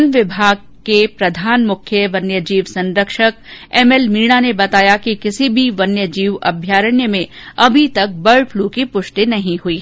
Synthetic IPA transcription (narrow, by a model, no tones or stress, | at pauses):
nʋɪbʱaːɡ̚kepɾɐd̪ʱaːnmʊkʰjəʋɐnjəd͡ʒiːʋsɐ̃nɾəkʃəkɛːmɛlmiːɽ̃anebɐt̪aːjakikɪsibʱiʋɐnjəd͡ʒiːʋɐ̰bʱjaːɾəɳjəmẽɐbʱit̪ɐk̚bɐɭpʰluːkipʊʃʈinɐɦĩɦʊiː